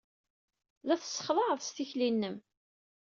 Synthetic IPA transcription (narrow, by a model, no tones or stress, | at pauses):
ðæθəsːə̥χðˤɑðˤst̪içlinːəm